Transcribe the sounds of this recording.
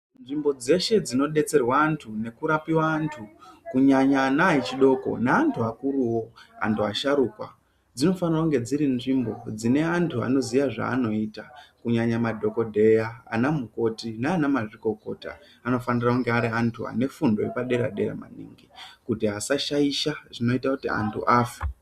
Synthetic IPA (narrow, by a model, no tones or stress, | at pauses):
nʐimbo̞d͡ze̞ʃe̞d͡zino̞ɗe̞t͡se̞rwaːntʰune̞kuɾapiwaːntʰukuɲaɲanait͡ʃiɗo̞ko̞̰naantʰuakuruwo̞a̰ntʰuaʃaɾuːkwa̰ | d͡zino̞fanirakuŋɡe̞d͡ziɾinʐimbo̞̰d͡zine̞antʰua̰no̞ziʋaʐa̰ːno̞iːtakuɲaɲamadʱo̞ko̞dʱe̞jaa̰namuko̞tinaːnamaʐiko̞ko̞ta̰ː | no̞fanirauŋɡeaɾiantʰua̰ne̞fundo̞epaɗe̞ɾa̰ɗe̞ɾa̰ma̰nḭːŋɡikutiɦasaʃaiʃaʐino̞itakutia̰ntʰṵʔaːfe̥